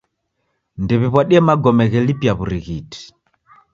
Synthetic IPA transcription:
ndɛβiβwaɗiɛmaɡɔmɛɣɛlipjaβuɾiɣiti̥

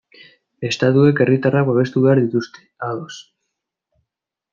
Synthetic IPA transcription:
e̞st̪at̪ue̞ke̞rit̪araβaβ̞e̞st̪uβeaɾðit̪ust̪e̞̥aðo̞s

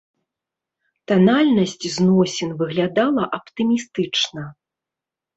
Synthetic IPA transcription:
t̪analʲnɐsʲt͡sʲznɔsʲɛnvɨɣlʲad̪alˠɐʔɐpt̪ɨmʲist̪ɨt͡ʂnɐ

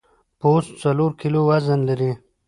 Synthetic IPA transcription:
post̪t͡saloɾkʰilowazənlaɾi

